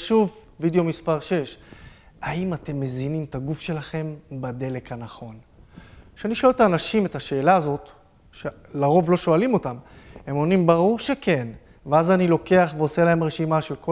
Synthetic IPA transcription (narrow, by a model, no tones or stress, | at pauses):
ʃuvvid̪eo̞mispaʁʃe̞ʃ | aimate̞mːe̞zinimt̪aɡufʃe̞laχe̞mbad̪e̞le̞kanaχo̞n | kʃeaniʃoelt̪aːnaʃime̞taʃe̞ːlaːzo̞t̪ | ʃe | laʁo̞vlo̞ʃo̞alimo̞tamhe̞mo̞nimbaʁuʁʃe̞ke̞n | veazanilo̞ke̞aχveo̞se̞lae̞mʁe̞ʃimaʃe̞lko